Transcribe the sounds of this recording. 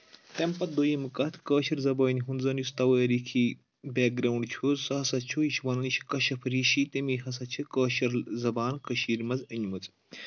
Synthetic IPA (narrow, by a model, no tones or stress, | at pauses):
t̪empɐt̪̚d̪ojimɨkɐt̪ʰkəːʃɐɾzɐbɐːnʲɦunzɐnjust̪ɐwɐːɾikʰi | beːk̚ɡɾɐwuɳɖt͡ʃʰuːzsɐɦɐsɐt͡ʃʰuiʃwɐnɐniʃʰkɐʃɐpʰɐɾiːʃit̪emiːɦɐs̬ɐt͡ʃʰɨkəːʃɐɾzɐbaːnkɐʃiːɾmɐzɐɲmɐt͡sʼ